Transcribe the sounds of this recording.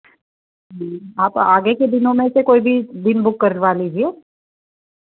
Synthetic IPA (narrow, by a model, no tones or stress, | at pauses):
ɦɦaːpaːɡeked̪ɪnõmẽsekoːibʱid̪ɪnbʊkːɐɾnʋaːliːd͡ʒieː